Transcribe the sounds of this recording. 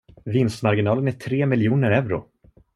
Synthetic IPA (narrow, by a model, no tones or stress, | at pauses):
vɪnst̪maɾɡɪnɑːlənæʈʰɾeːmɪljuːnəɾɛvɾʊ̰